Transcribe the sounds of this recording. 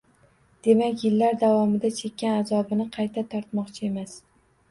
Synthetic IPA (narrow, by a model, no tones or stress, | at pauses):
d̪̥e̞makʲjɪlːaɾd̪avɒmɪd̪at͡ʃʰe̞kʲːanazɒbɪnɪqʰɑjt̪ʰat̪ʰɒɾt̪mɒqt͡ʃʰɪe̞mas